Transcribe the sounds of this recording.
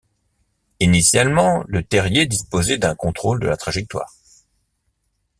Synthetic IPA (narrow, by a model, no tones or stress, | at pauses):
inisjalmɑ̃lət̪ɛʁjed̪ispozɛd̪ɛ̃kɔ̃t̪χold̪ə̰lat̪χaʒɛk̚t̪wa̰ːʁ